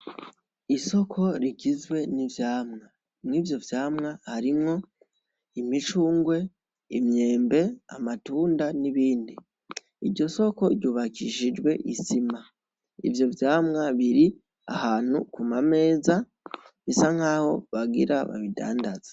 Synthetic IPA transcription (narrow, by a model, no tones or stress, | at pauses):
iso̞kʰo̞ɾiɟizwe̞nivjaːmŋa | mŋiːvjo̞vjaːmŋahaɾimŋo̞ | imit͡ʃuːŋɡwe̞ | imɲe̞ːmbe̞a̰matuːndaniβiːndi | iɾɟo̞so̞ko̞ɾɟuːβakiʃid͡ʒɡwe̞ʔisima | ḭvjo̞vjaːmŋaβiɾi | a̰haːn̥ṵkumame̞ːza | βisaŋ̥aːho̞̰βaɡḭɾa̰βa̰βida̰ːndaz̥ḁ